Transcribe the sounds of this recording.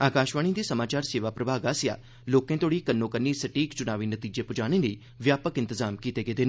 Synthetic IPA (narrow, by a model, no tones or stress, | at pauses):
aːkaːʃʋaːɽĩːd̪iːsəmaːt͡ʃaːɾseːʋaːpɾəbʱaːɡaːsɪja̰ː | loːkẽːt̪oːɽiːkənːõːkənːiːsəʈiːkt͡ʃʊnaːʋiːnət̪iːd͡ʒeːpʊd͡ʒaːɽ̃ẽːləiː | ʋjaːpəkɪ̃nt̪əzaːmkiːt̪eːɡeːd̪en